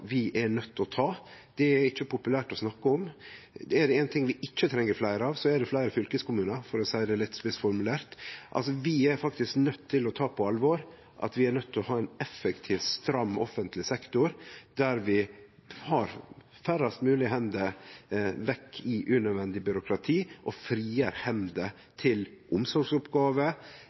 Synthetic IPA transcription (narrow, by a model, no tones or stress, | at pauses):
ʋɪʔɛɳœt̪ʰːɔt̪ʰɑːd̪̥ɛæɾɪt͡ʃːəpʰʊpʉlæːʈɔsnɑkːəɔm | ɛɖɛɛːnt̪ʰɪŋʋɪʔɪt͡ʃːət̪ʰɾɛŋːəɾflæɪɾəɑʋsɔɛɖɛflæɪɾəfʏlkəskʊmʉːnəɾfɔɾɔsæɪd̪ɛlɪt̪ːspɪsfɔɾmʉlæːɾt̪ʔɑ̰lsɔʋɪæɾfɑkt̪ɪsknœt̪ʰːɪlɔt̪ʰɑːpʰɔɑlʋoːɾ | ʔɑ̰t̪ʋɪæɾnœt̪ʰːɪlɔhɑːæɪnɛfːəkt̪ʰiːʋst̪ɾɑmːɔ̰fənt̪ʰlɪsɛkt̪ʊɾd̪̥æɾʋɪ | hɑɾ | fæɾɑst̪mʉːlɪhɛnd̪ə | ʋɛkʰːɪʔʉnœʋɛnd̪ɪbʏɾʊkʰɾɑt̪ʰiːʔɔfɾiːəɾhɛmd̪ə | t̪ʰɪlʔʊmsɔɾɡsʊpɡɑːʋə